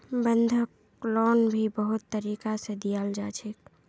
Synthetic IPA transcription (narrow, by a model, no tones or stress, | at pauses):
bənd̪ʱəkː | lɔnbʱibəɦut̪ːəɾiːkasẽd̪ijald͡ʒat͡ʃʰek